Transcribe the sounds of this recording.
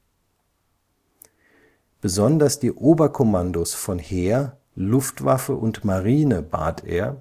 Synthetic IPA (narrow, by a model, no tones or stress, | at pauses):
b̥əzɔndɐsd̥iːʔoːbɐkʰɔmandosfɔnheːɐ | lʊftv̥a̰fəʔʊntmaʁiːnəba̰ːtʰḛːɐ